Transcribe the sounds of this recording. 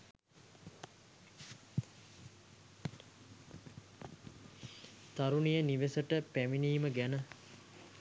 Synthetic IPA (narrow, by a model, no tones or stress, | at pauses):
t̪aɾunijəniʋesəʈəpæminiːməɡænə